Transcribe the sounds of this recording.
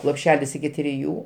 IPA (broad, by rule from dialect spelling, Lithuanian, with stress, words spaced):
lˠoːpʲˈʃʲæːlʲɪs ɪkʲɪ tʲrʲɪˈjuː